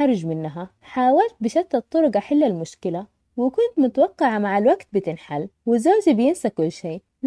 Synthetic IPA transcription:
ɑɾˤd͡ʒmɪnːaɦa | ħaːwalt̪̚bɪʃat̪ːɑt̪ˤːʊɾʊɡɑħɪlːalmʊʃkɪla | wɪkʊnt̪mʊt̪awɑqːɑʕamaʕalwaɡt̪̚bɪt̪ɪnħalwɪzoːd͡ʒibɪjɪnsakʊlːʃeː

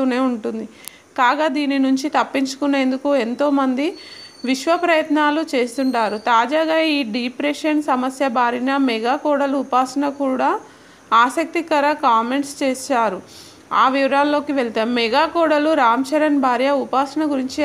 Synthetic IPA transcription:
t̪uːne̞ːuɳʈund̪i | kaːɡaːd̪iːninuɲt͡ʃit̪ɐpːiɲt͡ʃu̥kune̞ːnd̪ukue̞nt̪o̞ːmɐnd̪iʋiʃʋɐpɾɐjɐt̪naːlut͡ʃe̞ːst̪uɳʈaːɾut̪aːd͡ʒaːɡaːiːɖipɾeʂɐnsɐmɐsjɐbʱaːɾinɐmɛɡaːkɔːɾɽɐluupaːsɐɳɐkuːɽaː | aːsɐk̚t̪ikɐɾɐkaːme̞ɳʈst͡ʃeːʃaːɾu | aːʋiʋɐɾaːlːo̞ːkiʋeɭt̪eːmɛɡaːkɔːɽɐluɾaːmt͡ʃɐɾɐnbʱaːɾjɐupaːsɐnɐɡuɾiɲt͡ʃi

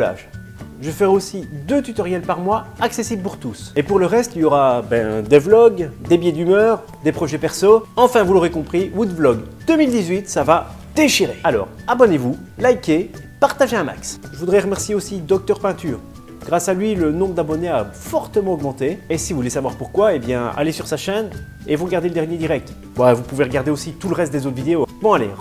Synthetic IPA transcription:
a̰ʒ | ʒəfəʁɛosid̪øt̪yt̪ɔʁjɛlpaʁmwaaksesiblpuʁt̪usepuʁləʁɛst̪iljɔʁabɛ̃d̪evlɔɡd̪ebjɛd̪ymœːʁ | d̪epχɔʒɛpɛʁsoɑ̃fɛ̃vulɔʁekɔ̃pχiwud̪vlɔɡd̪̥ømild̪izɥit̪sava | d̪̥eʃiʁealɔ̰ːʁabɔnevu | laikʲepaʁt̪aʒeɛ̃ma̰ksʒəvud̪ʁɛʁəmɛʁsjeosid̪ɔk̚t̪œʁpɛ̃t̪yːʁ | ɡ̥ʁasalɥilənɔ̃bʁəd̪abɔneafɔʁt̪əmɑ̃ɔɡmɑ̃t̪eesivuvulesavwaʁpuʁkwaebjɛ̰̃a̰lesyʁsaʃɛn | evuʁəɡaʁd̪eləd̪ɛʁnjed̪iʁɛk̚t̪ | bavupuveʁəɡaʁd̪eosit̪uləʁɛst̪d̪ezot̪χvid̪eokɔmɑ̃alḛ

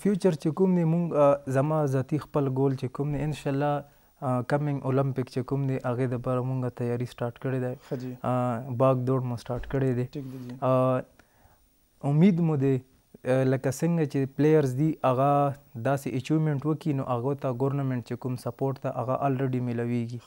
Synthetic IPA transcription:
fjut͡ʃəɾt͡ʃekumd̪emuŋɡazɐmãzaːt̪ixpəlɡolt͡ʃekumd̪eɪnʃaːlːa | kamɪ̃ŋɡʔolampɪkt͡ʃekumd̪eʔaɣed̪apaɾamuŋɡat̪ajaːɾisʈɑːɾʈkəɽed̪a | baɡd̪oɽmũsʈɑːɾʈkəɽed̪e | ʊmid̪mũd̪e | lɐkasəŋɡat͡ʃeplejaɾzd̪iʔaɣad̪aseʔet͡ʃumeɳʈwəkinoʔaɣot̪aɡoɾnamẽɳʈ̚t͡ʃekumsɐpoɾʈt̪aʔaɣaʔalɾeɖimɪlaweɡi

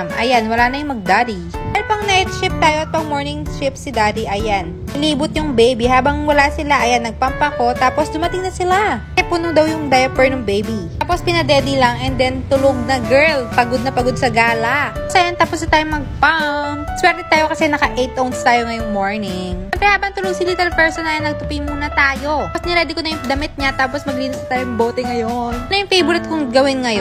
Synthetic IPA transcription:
mʔɐjanwɐlaːnɐjʊŋmɐɡ̚d̪aɾipɛlopɐŋnɛt̪t͡ʃɪp̚t̪aːjoʔɐt̪̚pɐŋmoɹnɪŋʃɪp̚sɪd̪aːdiʔɐjan | ʔɪliːbʊt̪̚jʊŋbejbihaːbɐŋwɐlaːsɪlaʔɐjanːɐɡ̚pampɐko̞t̪aːposd̪ʊmɐt̪ɪŋnɐsɪlakɛpʊnʊd̪ɐwjʊŋd̪ajɐpɛɹnʊŋbejbi | apospɪnɐd̪ɛd̪ilɐŋɛnd̪ɛnt̪ʊloɡ̚nɐɡɛɹlpɐɡod̪̚nɐpɐɡod̪̚sɐɡaːlasɐjɐnt̪aːposɐt̪ajommɐɡ̚pamswɛɾt̪ɛt̪aːjokɐsɛnɐkɐʔejt̪ʔownst̪aːjoŋɐjʊŋmo̞ɹnɪŋɛmpɾɛhaːbɐŋt̪ʊloɡ̚silit̪ɛlpɛɹsonɐlɐnːɐɡ̚t̪ʊpimuːnɐt̪aːjo̞osnɛɾɛːd̪ɪkonɐjʊŋd̪ɐmɪt̪̚ɲat̪aːposmɐɡliːnɪsnɐt̪aːjojʊŋboːt̪ɛŋɐjonnɐjʊŋfejbʊlɛt̪̚kʊŋɡɐwɪnŋɐjo

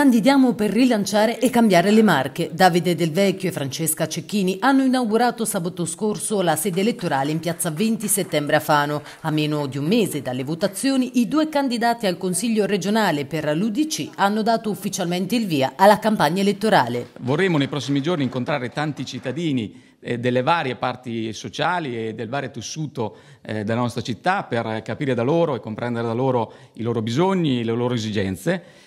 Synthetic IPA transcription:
kand̪id̪jaːmoperːilant͡ʃaːɾeʔekːambjaːɾelemarked̪aːvid̪ed̪elvɛkːoefɾant͡ʃeskat͡ʃekːiːniʔanːoinawɡuɾaːt̪osaːbat̪oskorsolasɛːd̪eːlet̪ːoɾaːleimpjat̪sːavent̪iset̪ːɛmbɾeafaːno | amːeːnod̪iumːeːzed̪alːevot̪at̪sːjoːniʔid̪uːekand̪id̪aːt̪ialkonsiʎːoɾed͡ʒonaːleperlud̪it͡ʃianːod̪aːt̪oufːit͡ʃalment̪eilviːaʔalːakampaɲːaelet̪ːoɾaːlevorːeːmonejpɾɔs̬ːimid͡ʒorniŋkont̪ɾaːɾet̪ant̪it͡ʃit̪ːad̪iːni | d̪elːevaːɾjepart̪isot͡ʃaːlied̪ːelvaːɾjet̪esːuːt̪o | d̪elanɔst̪ɾat͡ʃit̪ːaperkapiːɾed̪aloːɾoekːompɾɛnd̪eɾed̪aloːɾo | iloːɾobizoɲːileloːɾoezid͡ʒɛnt̪se

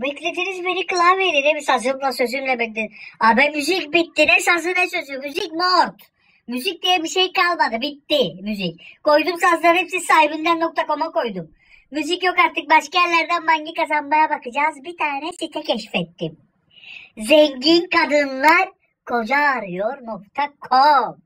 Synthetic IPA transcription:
bɛklʲed̪iɾizbenikɯlˠaveɾid̪emisazɯmlˠasø̞zynlɛbɛkd̪iabɛmyzicbit̪ːinɛsazɯnɛsø̞zymmyzicmoɾt̪ | myzic̚d̪ijɛbiʃejkalˠmad̪ɯbit̪ːɪmyzic̚ko̞jd̪umsazlˠaɾhɛpsizsaɦibind̪ænːo̞k̚t̪ʰako̞mako̞jd̪um | myzicjo̞kaɾt̪ɯk̚baʃkajɛɾlʲæɾd̪ænmaɲɟikazanmajabakɯd͡ʒaːzbit̪ʰaːnɛsit̪ʰɛcʰɛʃfɛt̪ːim | zɛŋɟinkad̪ɯnlˠaɾ | kʰo̞d͡ʒaːɾɯjo̞ɾno̞k̚t̪ʰakʰom

